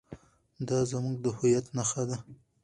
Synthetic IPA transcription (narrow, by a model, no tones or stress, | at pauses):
d̪ɑzamuɡd̪əhʊjat̪naxad̪a